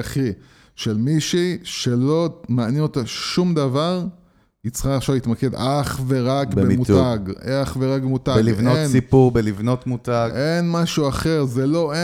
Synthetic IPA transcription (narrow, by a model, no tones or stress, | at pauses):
aχi | ʃe̞lmiʃiʃe̞lo̞manjenot̪aʃumd̪avaʁ | it͡sχaχʃavliit̪maked̪aχve̞ʁakbbemutaɡ̰aaχve̞ʁaɡ̚bemut̪aɡivnonsipuʁbelivno̞t̪mut̪aɡʔenmaʃuaχe̞ʁzelo̞e